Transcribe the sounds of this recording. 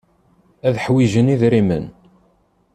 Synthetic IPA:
æðħwiʒəniðɾimə̰n

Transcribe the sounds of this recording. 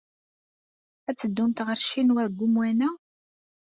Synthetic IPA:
æt͡sːəd̪ːʊmt̪ʁəɾʃinwæðɡʷumwænæ

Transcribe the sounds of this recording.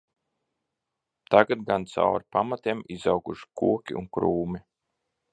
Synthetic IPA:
t̪aɡat̪̚ɡant̪sa̰wa̰ɾpamat̪ʲemizawkuʃi̥kuɔkʲḭʔṵnkɾuːmi

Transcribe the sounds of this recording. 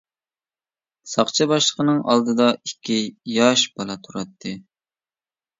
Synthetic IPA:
sɑqt͡ʃʰɑbɑʃlˠəqənɨŋʔɑ̰lˠd̪ɨd̪ɑikʲʰːijɑʃbɑlˠɑt̪ʰuɾɑt̪ʰːɨ

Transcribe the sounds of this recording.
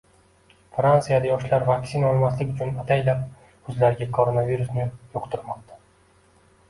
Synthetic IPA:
fɾant̪ɨjad̪ajɒʃlaɾvakʲsinaɒlˠmaslɪkʲʊt͡ʃʰʊnat̪ʰajlap̚ | hʊzlaɾɡʲakʰoɾonaviɾusnɪjoqt̪ʰɪɾmɒq̚t̪ʰḁ

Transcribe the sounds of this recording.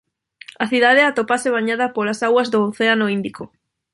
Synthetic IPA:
aθiðaðeat̪opaseβaɲaðɐpolasaɣwɐzðooθeanoind̪ikʰo

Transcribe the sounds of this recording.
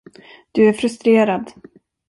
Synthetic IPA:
d̪̥ɵæɾfɾɵst̪ɾeːɾad̪

